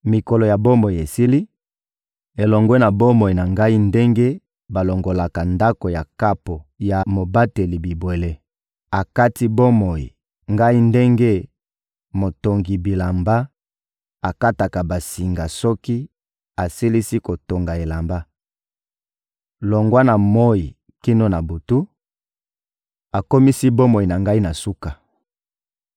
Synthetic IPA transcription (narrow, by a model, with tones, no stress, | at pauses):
mi˨ko˨lo˨ja˨bo˦mo˨i˨e˨si˦li˦ | e˨lɔ˨ŋɡwɛ˦na˨bo˦mo˨i˨na˨ŋɡa˦i˦nde˦ŋɡe˦ | ba˨lo˨ŋɡo˨la˨ka˨nda˦ko˨ja˨ka˦po˨ja˨mo˨ba˦te˨li˨bi˨bwe˨le˦ | a˨ka˦ti˦bo˦mo˨jḭ˨ | ŋɡa˦i˦nde˦ŋɡe˦ | mo˨to˨ŋɡi˨bi˨la˨mba˦ | a˨ka˦ta˨ka˨ba˨si˨ŋɡa˨sɔ˦ki˦ | a˨si˦li˦si˦ko˨to˨ŋɡa˨e˨la˨mba˦ | lo˨ŋɡwa˦na˨mo˦i˨ | ki˦no˦na˨bo˨tu˦ | a˨ko˦mi˦si˦bo˦mo˨i˨na˨ŋɡa˦i˦na˨su˦ka˨